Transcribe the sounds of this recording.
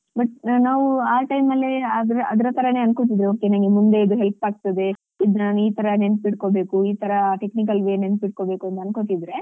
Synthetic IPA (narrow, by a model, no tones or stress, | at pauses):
bɐʈ̚naːʋuaːʈɐjmɐlːeɐd̪ɾɐɐd̪ɐɾɐt̪ʰɐɾɐne̞ːɐnkot̪̬id̪ɾeoːkenɐŋɡemund̪e̞ːd̪uɦelpaːɡ̚t̪ɐd̪e̞ | id̪naːnuiːt̪ʰɐɾɐne̞niʈkobe̞ːkuiːt̪ʰɐɾɐʈe̞knikɐlʋeːne̞nt̪iʈ̚ko̞beːkuɐnt̪ɐnkot̪id̪ɾe̞